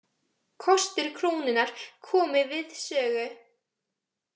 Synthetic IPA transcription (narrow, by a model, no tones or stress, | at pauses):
kʰɔst̪ɪɾ̥kʰɾoːwnɪnaɾ̥kʰɔːmɪvɪðsœːɣʏ